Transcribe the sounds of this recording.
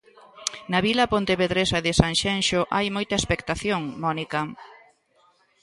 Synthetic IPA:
nɐβilɐpont̪eβeðɾesɐðɪsanʃenʃoʔajmojt̪ɐespekt̪aθjoŋmɔnikɐ

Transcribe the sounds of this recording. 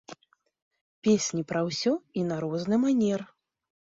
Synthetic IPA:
pʲesʲnʲipɾɐwsʲɔinaɾɔznɨmanʲɛr

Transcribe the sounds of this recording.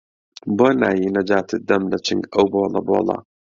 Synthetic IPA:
bona̰ːjinɐd͡ʒaːt̪ʰɨd̪ːɐmlɐt͡ʃɨŋɡɐwbolɐ̰bolɑ̰

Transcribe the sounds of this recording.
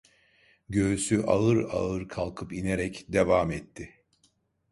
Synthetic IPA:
ɟøːysyʔa̰ɯɾa̰ɯɾkʰalˠkʰɯpine̞ɾɛcd̪evaːmɛt̪ʰːɪ

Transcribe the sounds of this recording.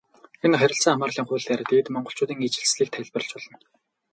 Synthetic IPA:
enχæɾʲɪ̆ɬt͡saːŋamaːrɮiːŋχʊːɮaɾăt̪eːt̪mɔɴɢɞ̆ɬt͡ɕʰʊːt̪iːŋit͡ɕɪ̆ɮsɮiːk̚t̪ʰæɮʲpə̆rɬt͡ɕpɔɮɞ̆n

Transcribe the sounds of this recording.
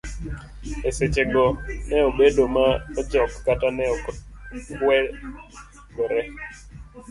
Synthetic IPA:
eset͡ʃeɡɔnɛobedomaɔd͡ʒɔkːatanɛɔ | kwɛ | ɡoɾɛ

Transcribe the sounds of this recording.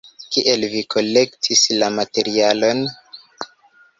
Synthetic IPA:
kiʔe̞lvikʰo̞le̞ktʰislamate̞ɾialo̞n

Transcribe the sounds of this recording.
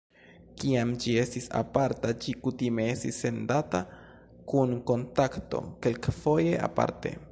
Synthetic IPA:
kiamd͡ʒie̞stisa̰paɾtad͡ʒikutimeestise̞ndata | kunko̞ntakto̞̰ke̞lkfo̞je̞ʔa̰pa̰ɾte̞̰

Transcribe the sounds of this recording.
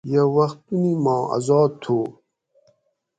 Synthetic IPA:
jawɐxt̪unimɑ̃ːa̰zɑːt̪ʰo

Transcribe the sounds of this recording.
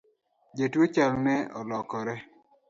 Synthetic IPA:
d͡ʒetwot͡ʃalnɛɔ̰lɔkɔɾɛ

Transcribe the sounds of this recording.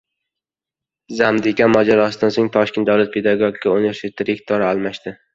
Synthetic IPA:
zamd̪ɪkʲʰamɒd͡ʒaɾɒsɪd̪ansoŋt̪ʰɒʃkʲe̞nt̪d̪awlat̪̚pʰed̪aɡoɡʲikʲʰːaonjaʃɪt̪ʰːɪɾekt̪ʰɒɾaalˠmaʃt̪ɪ

